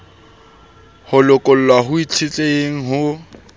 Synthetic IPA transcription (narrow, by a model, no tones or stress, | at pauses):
hʊlʊkʼʊl̩lwaɦʊit͡sʰɪt͡ɬʼeeŋ̩ɦʊ